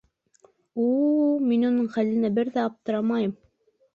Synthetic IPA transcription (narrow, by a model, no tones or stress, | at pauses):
ulminunɤɴχælɘ̆næbɘɾðæɑp̚t̪ɤ̆ɾɑmɑjɤm